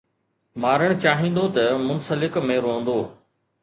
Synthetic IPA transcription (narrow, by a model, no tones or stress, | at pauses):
maːɾəɽ̃t͡ɕaːɦĩːn̆d̪ot̪ɐmʊnsəlɪkmẽɾoːə̃n̆d̪oː